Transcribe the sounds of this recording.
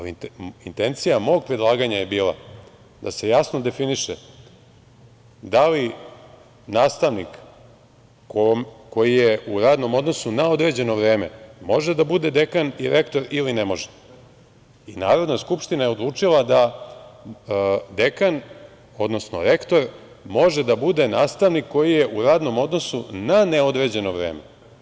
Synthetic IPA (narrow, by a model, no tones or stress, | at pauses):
aliint̪e̞nt̪sijamo̞ːɡ̚pɾed̪lˠaːɡaɲaje̞biːlˠa̰ | d̪ase̞jasnod̪e̞finiʃe | d̪ali | naːst̪aʋnik | omko̞jijeuɾaːd̪no̞mo̞d̪no̞sunao̞d̪ɾe̞d͡ʑe̞no̞ʋɾeːme̞̰mo̞ʒed̪abud̪e̞d̪e̞kaniɾekt̪o̞ɾilinemo̞ʒe̥ | inaːɾo̞d̪naskupʃt̪inajeod̪lˠuːt͡ʂilad̪a | d̪ekan | o̞d̪no̞sno̰ɾe̞kt̪o̞ɾ | mo̞ʒed̪abud̪enaːst̪aʋnikːo̞jije̞ʔuɾaːd̪no̞mo̞d̪no̞sunaneo̞d̪ɾe̞d͡ʑe̞noʋɾḛːme